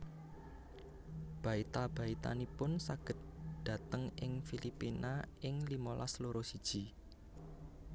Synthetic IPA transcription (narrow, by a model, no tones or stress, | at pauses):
b̥ä̤it̪ab̥ä̤it̪a̰nipʊnsaɡ̥ə̤t̪̚d̪̥ä̤t̪əŋɪŋfilipinaɪŋlimolʔa̰sloɾosid̥ʒ̥i̤